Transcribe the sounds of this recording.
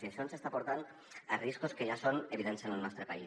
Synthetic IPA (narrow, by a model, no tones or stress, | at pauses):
siasjonsest̪apoɾt̪an | ariskoskeʒasoneβiðɛnsenelnɔst̪ɾepai